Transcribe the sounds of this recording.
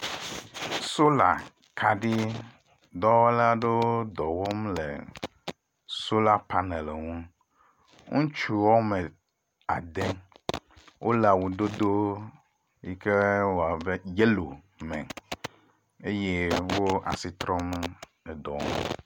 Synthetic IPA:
so˦la̰˨ | kʰa˨ɖi˦ | d̪ɔ˦wɔ˦la˦ɖe˦o˦d̪ɔ˨wo˦mlḛ˨ | so˦la˦pa˦ne˨le˨ŋũ˦ | ŋũ˦t͡ʃu˨wɔ˦mẽ˨ | a˨d̪e˦ | wʔo˦la˨wu˨d̪o˦d̪o˦ | ji˦ke˦wo˨a˨be˦je˦lo˨ | mɛ̰̃˨ | e˦je˦wo˦a̰˨si˨t̪ɾɔ̃˦me˦ | e˨d̪ɔ̰˨ŋ̰˦

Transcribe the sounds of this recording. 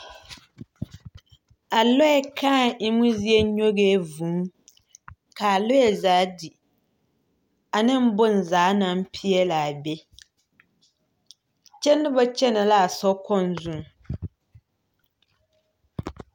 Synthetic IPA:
a˨lɔ˦ɛ˦kʰaː˦i˦mu˦zi˦ɛ˦ɲo˦ɣe˦vu˨˦ŋ | ka˨lʊ˦jɛ˨zaː˨˦di˨ | a˨nɪ˦m̩˦bʊ˦n˨zaː˨˦na˦m˦pʰi˦ɛ˦la˨a˨bɛ˦ | t͡ʃɛ˦nːɪ˦bɔ˦t͡ʃɛ˦na˨la˦a˨sɔ˦kɔ˦n˦zu˦˨ŋ˨

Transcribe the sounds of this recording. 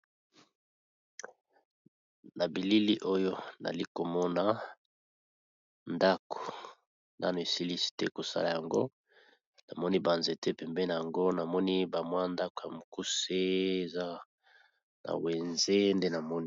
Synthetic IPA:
na˨bi˨li˦li˦ʔo˦jo˦na̰˨li˦ko˨mɔ˦na˦ | nda˦ko̥˨ | nda˦no˨e˨si˦li˦si̥˨tɛ˦ko˨sa̰˦la˨ja˨ŋɡo̰˦ | na˨mɔ˦ni˦ba˨nze˨tɛ˦pɛ˨mbɛ˦na˨ja˨ŋɡo˦na˨mɔ˦ni˦ba˨mwa˦nda˦ko˨ja˨mu˨ku˦se˦e˨za˦ | na̰˨we˨nze˦nde˦na˨mɔ˦ni˦

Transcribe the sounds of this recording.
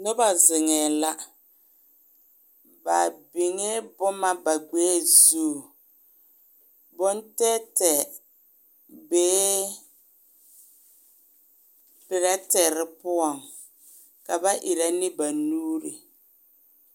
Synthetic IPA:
nʊ˦ba˨zɪ˨ŋɛː˨la˦ | ba˨bɪ˨ŋɛ˦bʊ˦ma˦ba˨ɡ͡beː˦zu˦˨ | bʊ˦ntɛ˦tɛ˨ | beː˦ | pɪ˨ɾa˦tɛ˨ɾɪ˦pʊ˦ɔ˨ŋ | ka˨ba˦ʔɪ˨ɾa˦nɪ˦ba˨nuː˦ɾɪ̰˨

